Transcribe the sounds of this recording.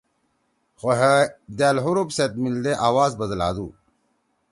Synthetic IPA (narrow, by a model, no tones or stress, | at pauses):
xoɦed̪aːlɦuɾupset̪̚mild̪eʔaːwaːzbɐzɐla̰ːd̪ṵː